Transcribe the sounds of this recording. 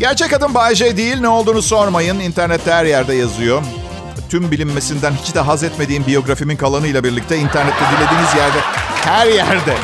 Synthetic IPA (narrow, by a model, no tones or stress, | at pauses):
ɟæɾt͡ʃʰɛcad̪ɯnbaːjʒejd̪ijilʲnɛo̞lˠd̪uːnuso̞ɾmajɯnint̪ʰæɾnɛt̪ʰːɛhæɾjæɾd̪ɛjazɯjo̞ | t̪ʰymbilʲimːe̞sind̪ænhit͡ʃd̪aɦazɛt̪me̞d̪iːmbijo̞ɡɾafiminkʰalˠanɯjlˠabiɾlʲic̚t̪ʰɛint̪ʰæɾnɛt̪ːɛd̪ilʲe̞d̪iːnizjæɾd̪ɛhæɾjæɾd̪ɛ